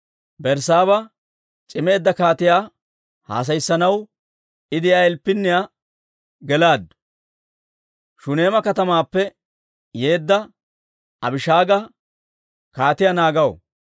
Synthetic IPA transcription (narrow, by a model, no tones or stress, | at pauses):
bɛɾsaːβɐ | t͡ʃʼɪme̞ːd̪ːɐkaːt̪ɪjaː | ha̰ːs̬ɐjsːɐnɐw | ɪd̪ɪjaːɛlpːɪnːɪja | ɡɛlaːd̪ | ʃʊne̞ːmɐkɐt̪ɐmaːpːɛ | je̞ːd̪ːɐ | ɐbɪʃaːɡɐ | kaːt̪ɪjanaːɡɐw